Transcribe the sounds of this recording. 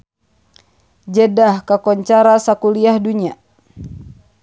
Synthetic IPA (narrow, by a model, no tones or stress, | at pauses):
d͡ʒedahkakɔɲt͡ʃaɾasakuliahduɲa